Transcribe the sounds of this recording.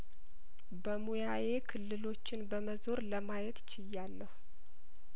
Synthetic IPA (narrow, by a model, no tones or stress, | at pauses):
bəmujaje̞kʰɨlːɨlo̞t͡ʃːɪnbəməzo̞ɾləmajɛt̪t͡ʃʰɪjːalːəhu